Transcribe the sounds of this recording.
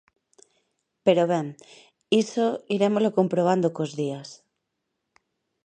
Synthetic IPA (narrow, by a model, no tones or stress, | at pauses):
peɾoβẽŋ | isoiɾemolokompɾoβ̞and̪okozðias